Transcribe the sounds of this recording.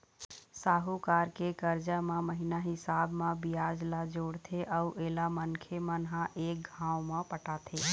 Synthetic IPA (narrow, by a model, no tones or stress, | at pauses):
saːɦukaːɾkekəɾd͡ʒamãməɦinaɦɪsaːbmãbijaːd͡ʒlad͡ʒoːɽt̪ʰeʔəuʔeːlamənkʰemənɦãʔeːk̚ɡʱãːwmãpəʈaːt̪ʰe